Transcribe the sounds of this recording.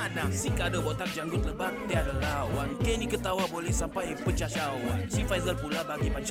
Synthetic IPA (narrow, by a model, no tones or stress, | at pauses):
adaŋsikadəbot̪ak̚d͡ʒaŋɡʊt̪̚ləbak̚diadalahuwankenikət̪awabolɛhsampajpət͡ʃat͡ʃawansifajzəlpulabaɡipat͡ʃa